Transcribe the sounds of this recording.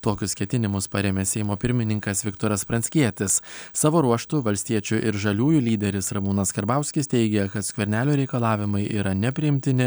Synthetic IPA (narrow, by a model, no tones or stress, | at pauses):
t̪oːkʲʊskʲɛt̪ʲɪnʲɪmʊspɐɾʲeːmʲeːsʲɛɪmoːpʲɪɾʲmʲɪnʲɪŋkɐsʋʲɪkt̪oːɾɐspɾɐnʲsʲkʲiɛt̪ʲɪssɑːʋoːɾuɔʃt̪ʊʋɐlʲsʲt̪ʲiɛt͡ʃʲʊʔɪɾʒɐlʲuːjuːlʲiːd̪ʲɛɾʲɪsɾɐmuːnɐskɐɾbɑˑʊsʲkʲɪst̪ʲɛɪɡʲɛkɐt̪sʲkʲʋʲɛɾʲnʲæːlʲoːɾʲɛɪkɐlˠɑːʋʲɪmɐɪʔiːɾɐnʲɛpʲɾʲɪjɪmʲt̪ʲɪnʲɪ